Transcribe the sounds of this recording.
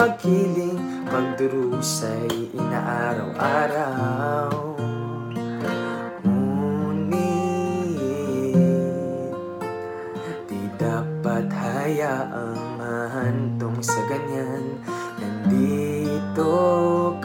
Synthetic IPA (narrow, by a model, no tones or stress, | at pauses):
akilɪŋ | paɡd̪ʊɾusajʔɪnaʔaɾa̰wʔaːɾa | w | muni | d̪id̪apat̪hajaʔaŋːaɦant̪oŋsɐɡɐɲanː | and̪it̪ok